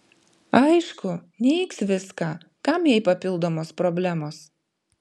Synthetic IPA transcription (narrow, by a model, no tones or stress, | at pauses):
ɐɪʃkʊnʲɛɪksʋʲɪskɑː | kɐmjɛɪpɐpʲɪlˠd̪oːmoːspɾɔbʲlʲæmoːs